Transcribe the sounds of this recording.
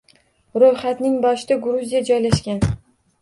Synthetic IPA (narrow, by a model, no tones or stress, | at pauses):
ɾojχat̪nɪŋbɒʃɪd̪aɡɾuzijad͡ʒɒjlaʃkʲan